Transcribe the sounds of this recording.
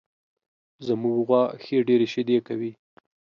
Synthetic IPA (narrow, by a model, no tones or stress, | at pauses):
zəmuɡɣwɑxeɖeɾeʃed̪ekawi